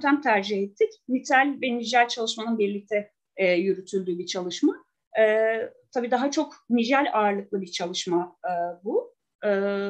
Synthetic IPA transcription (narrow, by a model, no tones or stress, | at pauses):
t̪ʰæmt̪ʰæɾd͡ʒihɛt̪ʰːicmit̪ʰælʲvɛnid͡ʒælʲt͡ʃʰalˠɯʃmanɯnbiɾlʲic̚t̪ʰɛ | jyɾyt̪ʰylʲd̪yːbit͡ʃʰalˠɯʃma | ɛːt̪ʰabiːd̪aɦat͡ʃʰo̞knid͡ʒælʲaːɾlˠɯklˠɯbiɾt͡ʃʰalˠɯʃmabu | ɯː